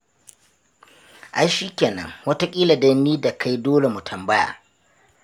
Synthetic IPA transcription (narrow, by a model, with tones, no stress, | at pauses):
ʔa˨ʃiː˦kʲeː˨nɐ̰˦ŋwɐ˦ta˦kʲʼiː˦la˨dɐ˦nːiː˦da˨kʰa˦jdoː˦le˨mu˨tʰɐ˨mbɐ˦ja̰ː˨